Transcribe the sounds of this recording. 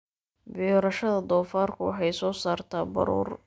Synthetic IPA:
bɪːɾɐʃɐðɐd̪ɔːfaːrkʰʊwɑ̰ħɑjsɔːsaːrt̪ʰaːbɐ̰ɾṵːr

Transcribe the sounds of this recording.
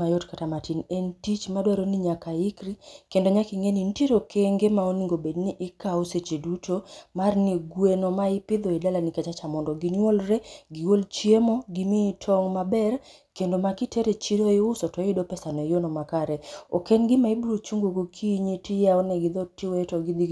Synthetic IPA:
majotkatamatinentit͡ʃmadwaɾoniɲakaɪkɾikendoɲakiŋenintiɾokʰeŋɡemaoniŋɡobedniʔɪkaoset͡ʃedutomarniɡwenomaɪpɪd̪ɔidalanikat͡ʃat͡ʃamɔndɔɡinolɾeɡiɡolt͡ʃjemɔɡimitʰɔŋmabɛr | kendomakiteɾet͡ʃidoɪʊsɔtɔɪdopɛsanɔjonɔmakaɾɛokenɡɪmaibuɾot͡ʃuŋɡoɡokʰiɲitɪjaɔnɛɡɪd̪ɔtɪwtɔɡid̪i

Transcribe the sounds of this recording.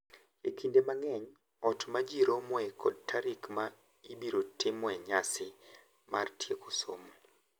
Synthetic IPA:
ekindemaŋɛɲ | ɔtmad͡ʒiɾomwɛkʰɔd̚taɾikma | ibiɾotɪmwɛɲasɪ | ma̰rtjekoso̰mo

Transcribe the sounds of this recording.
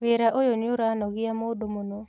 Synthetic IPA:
weɾaʔojoɲoɾanɔɣiamoːdomonɔ

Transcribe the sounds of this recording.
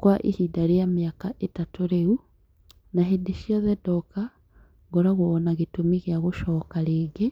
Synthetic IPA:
kwaʔḭhidaɾejameakaʔetatoɾeu | naɦedeʃiɔðɛdɔka | ɡoɾaɣoːnaɣetomiɣjaɣoʃɔːkaɾeːŋɡe

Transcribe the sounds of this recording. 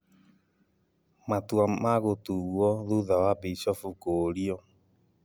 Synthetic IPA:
matuamaɣotuɣwɔðuðawabisɔfukoɾiɔ

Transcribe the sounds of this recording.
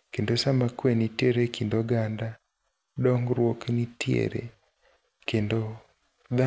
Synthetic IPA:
kendosamakwenitjeɾekʰindoɡanda | dɔŋɡɾwoknitjḛɾḛ | kendo | ða

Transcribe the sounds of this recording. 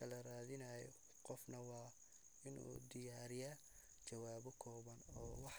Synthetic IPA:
ɐlɐɾaːðɪnɐjɔ̰ | qɔfnɐwɑː | ɪnṵːd̪ɪjaːɾɪja | t͡ʃɐwaːβɔkʰɔːβɐnɔːwɑħ

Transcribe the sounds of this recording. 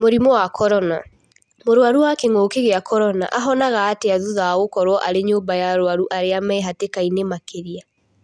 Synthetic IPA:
moɾimɔwakʰɔɾɔna | moɾwaɾuwakeŋoːkeɣeakʰɔɾɔna̰ʔaɦɔnaɣaːteaðuðaɣokɔɾwɔʔaɾeɲoːmbajaɾwaɾuʔaɾeamɛɦatekainemakeɾia

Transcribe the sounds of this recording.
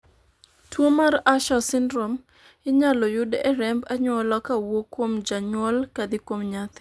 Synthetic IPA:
twomaɾaʃɔsɪndɾɔm | ɪɲalɔjʊdɛɾɛmbaɲwɔlɔkawokːwomd͡ʒaɲwɔlkad̪ɪkwomɲat̪

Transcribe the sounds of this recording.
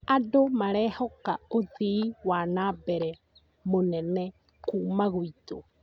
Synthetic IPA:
adomaɾɛhɔkaoðiiwanaːbɛɾɛ | monɛnɛ | kuːmaɣoito

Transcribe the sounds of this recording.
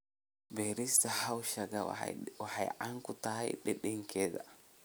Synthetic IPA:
beɾistahawʃaɡa̰wahajʔaŋkut̪aha̰jɗɛɗɛŋkɛda

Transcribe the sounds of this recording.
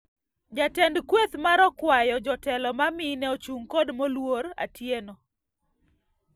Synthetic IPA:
d͡ʒatɛndkwet̪maɾɔkwajɔd͡ʒɔtɛlɔmamɪnɛot͡ʃuŋkodmɔlwoɾa̰tjenɔ

